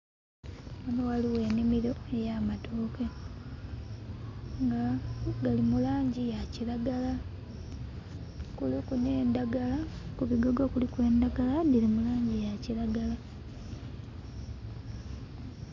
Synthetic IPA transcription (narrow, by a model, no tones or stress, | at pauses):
munowaliwe̞ːnimiɾo̞ejamatoːke | ŋɡaɡalimulaːɲɟijacilaɡala | kulikuneːndaɡalakuβiɡoɡo̞kulikwe̞ːndaɡaladilimulaːɲɟijacilaɡala